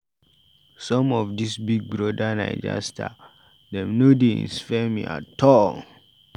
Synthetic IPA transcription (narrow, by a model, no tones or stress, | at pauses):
sɔ̃mɔfdisbiɡ̚bɹɔdana̰ɪd͡ʒa̰stʰa̰ | dɛ̃mnodeḭ̃nsfɛmḭa̰tʰɔl